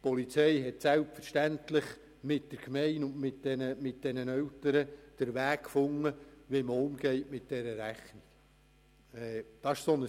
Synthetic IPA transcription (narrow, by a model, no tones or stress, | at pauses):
pɔlit͡sɛɪɦɛtsælpfəɾʃtæntlɪχ | mɪt̚d̥əɾkmɛɪnʊnmɪt̚d̥ɛnəmɪt̚d̥ɛnənœltəɾəd̥əɾʋæːkkfʊŋːəʋiməʊmɡɛɪtmɪt̚d̥ɛɾəɾæχnik | ɛːd̥ɑɪʃsonə